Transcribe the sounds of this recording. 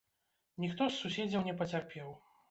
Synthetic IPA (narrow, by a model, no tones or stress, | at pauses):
nʲixt̪ɔsːusʲɛd͡zʲɐwnʲɛpɐt͡sʲarpʲɛw